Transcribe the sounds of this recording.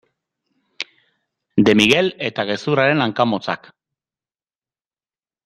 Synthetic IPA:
d̪e̞miɣe̞le̞t̪aɣ̞e̞suɾaɾe̞naŋkamo̞t͡sak

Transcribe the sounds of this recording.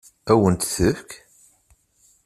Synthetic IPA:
æwənt̪θəfk

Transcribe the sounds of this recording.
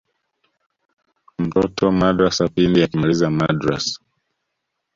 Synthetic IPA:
m̩tɔtʰɔmadɾasapindijakimalizamadɾa̰sḁ

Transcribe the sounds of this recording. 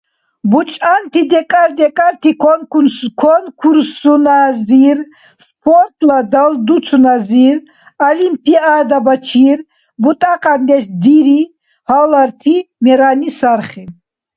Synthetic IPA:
but͡ʃʼant̪ʰid̪ɛkʼaɾd̪ɛkʼaɾt̪ʰikʰɔnkʰɔnkʰuɾsunaziɾ | spʰɔɾt̪ʼlad̪ald̪ut͡sʰunaziɾ | alimpʰiad̪abat͡ʃʰiɾ | but̪ʼaqʼand̪ɛʃd̪iɾi | halaɾt̪ʰimɛɾanisaɾχi

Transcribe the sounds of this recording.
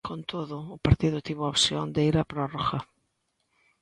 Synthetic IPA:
kʰont̪ʰoðʊːpaɾt̪iðʊt̪iβʊopsjond̪eiɾapɾɔroɣɐ

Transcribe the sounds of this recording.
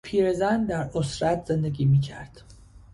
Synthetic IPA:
pʰiːɾezænd̪æɾosɾæt̪ʰz̥e̞nd̪eɡiːmiːcʰæɾd̪̥

